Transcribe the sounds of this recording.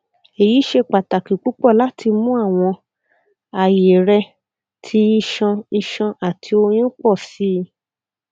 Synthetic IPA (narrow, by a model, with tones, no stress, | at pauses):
e˨ji˨˦ʃe˧k͡pa˨ta˨ki˨k͡pu˨˦k͡pɔ˦˨la˦tʰi˧mũ˦a˦˨w̃ɔ̃˧ | a˨je˨ɾɛ˧ | tʰi˧˦i˧ʃɔ̃˧i˧ʃɔ̃˧ʔa˨tʰi˧o˧j̃ĩ˦k͡pɔ˦˨si˨˦˧